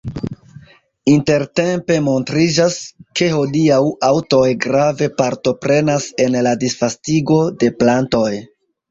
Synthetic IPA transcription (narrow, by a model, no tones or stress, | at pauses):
inte̞ɾte̞mpe̞mo̞ntɾid͡ʒaske̞ho̞diawawto̞jɡɾave̞paɾto̞pɾe̞nase̞nladisfastiɡo̞de̞planto̞j